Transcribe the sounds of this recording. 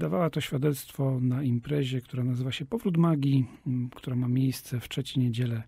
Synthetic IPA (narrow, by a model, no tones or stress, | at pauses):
d̪ava̰wat̪ɔɕfʲjad̪ɛt̪st̪fɔnaimpɾɛʑɛkt̪uɾanazɘvaɕɛpɔvɾut̪maɡʲikt̪uɾamamʲjejst̪sɛftʂɛt͡ɕɛjɲɛd͡ʑɛlɛ